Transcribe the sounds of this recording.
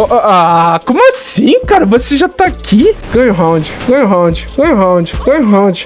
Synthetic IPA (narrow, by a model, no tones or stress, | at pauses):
akõmʊasĩkaɾɐvoseʒat̪aakʰʲiɡ̥ɐ̃jʊɦãw̃d͡ʒɪɡɐ̃jʊɦãw̃d͡ʒɪɡɐ̃jʊɦãw̃d͡ʒɪɡ̥ɐ̃jʊɦãw̃d͡ʒɪ